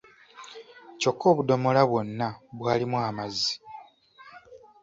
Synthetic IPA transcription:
co̞kʰːo̞ːβudo̞mo̞laβwo̞nːaβwaːlimwaːmazi̥

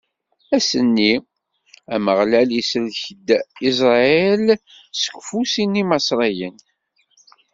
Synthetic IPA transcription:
æsənːi | æməʁlælisɾçəd̪ːis̬ɾˤɑɛl | sə̥kʷːfusinːimɑsɾˤɑjən

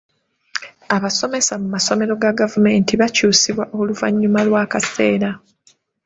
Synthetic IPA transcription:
aβaso̞me̞samumaso̞me̞ɾo̞ɡaɡavume̞ːntiβacuːsiβwaʔoluvaɲːumalwakase̞ːɾa

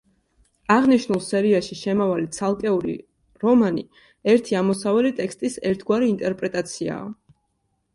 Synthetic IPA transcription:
aʁniʃnulˠsɛɾiaʃiʃɛmavalit̪sʰalˠkʼɛuɾḭ | ɾɔmani | ɛɾt̪ʰiamɔsavɛlit̪ʼɛkst̪ʼisɛɾt̪ʰɡwaɾiːnt̪ʼɛɾpʼɾɛt̪ʼat̪sʰia̰ː

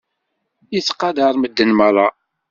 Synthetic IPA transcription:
iθqɑd̪əɾˤməd̪ːənmərˤɑ

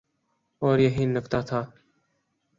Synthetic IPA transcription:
oːɾjeɦiːnːəkt̪aːt̪ʰaː

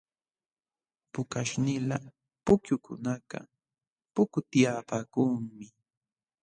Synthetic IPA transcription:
pʊkaʃnɪla | pʊkjʊkʊ̰nakɑ̰ | pʊkʊt̪ɪjapakuːmɪ

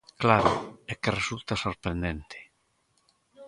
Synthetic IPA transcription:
klaɾʊekeresult̪asoɾpɾẽnd̪ent̪ʰe̥

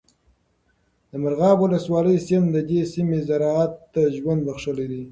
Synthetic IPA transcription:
d̪əmaɾɣɑbwʊləswɑləjsɪmd̪əd̪esimezaɾɑat̪ːaʒwand̪baxʂəled̪i

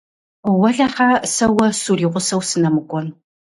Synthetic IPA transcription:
wɐɮɐχasɐwɐsuːriːʁʷʊsɐwsɨnɐmɨkʷʼɔn

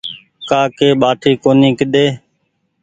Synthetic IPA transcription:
kaːkeːɓaːʈʰiːkoːniːkəɗ̪eː

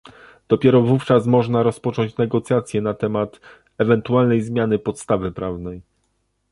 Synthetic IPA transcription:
d̪̥ɔpʲjɛɾɔvuft͡ʂas̬mɔʐnaɾɔspɔt͡ʂɔɲt͡ɕnɛɡɔt̪sʲjat̪sʲjɛnat̪ɛmat̪ | ɛvɛnt̪ualnɛjzmʲjanɘpɔt̪st̪avɘpɾavnɛj

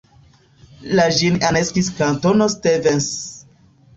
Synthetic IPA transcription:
laʒinaneskiskantonostevens

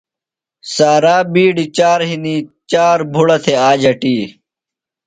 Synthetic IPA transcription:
saːɾaːbiːɖit͡ɕaːɾɦinit͡ɕaːɾbʱuɽɐt̪ʰeaːd͡ʑɐʈiː

